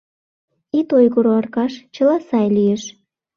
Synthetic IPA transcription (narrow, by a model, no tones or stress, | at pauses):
it̪ojɣoɾoɑrkɑʃt͡ɕə̆lɑsɑjlijeʃ